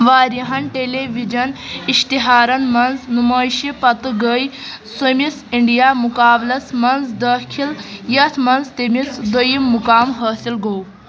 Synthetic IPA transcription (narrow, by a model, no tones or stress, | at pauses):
ʋaːɾiɦɐnʈeleʋid͡ʒɐniʃt̪iɦaːɾɐnmɐnznumɐːjʃipɐt̪ɨɡəj | sɐmisiɳɖijaːmukaːblɐsmɐnzd̪ɐkʰiljɐt̪ʰmɐnzt̪emisd̪ojimːukaːmɦɐːsilɡow